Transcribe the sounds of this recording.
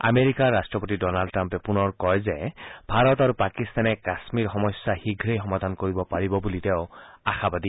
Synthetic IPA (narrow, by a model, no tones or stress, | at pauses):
a̰meɹikaɹːastɹɔpotidɔnaldtɹampɛpunɔɹkɔjzɛbʱaɹɔtaɹupakist̪ʰanɛkasmiɹxɔmɔsjahiɡʱɹejxɔmad̪ʱankoɹibɔpaɹibɔbuliteʊa̰xabad̪i